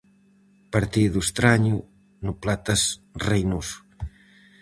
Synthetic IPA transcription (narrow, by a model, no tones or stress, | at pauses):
pəɾt̪iðust̪ɾaɲu | nuplat̪əzrejnus